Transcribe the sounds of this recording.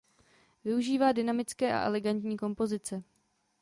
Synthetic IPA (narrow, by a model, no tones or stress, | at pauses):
vɪuʒiːvaːdɪnamɪt͡skɛːʔa̰ʔɛ̰lɛɡant̪ɲiːko̞mpo̞zɪt͡sɛ